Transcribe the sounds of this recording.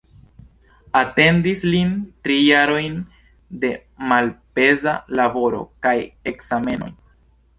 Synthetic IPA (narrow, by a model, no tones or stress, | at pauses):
ate̞ndislintɾijaɾo̞jn | de̞ | malpe̞zalabo̞ɾo̰kaje̞ksame̞no̞̰j